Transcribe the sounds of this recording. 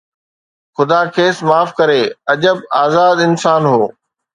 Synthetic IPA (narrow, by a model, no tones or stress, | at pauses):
xʊd̪aːkʰeːsmaːfkɐɾeːɐʄəbaːzaːd̪ɪnsaːnɦoː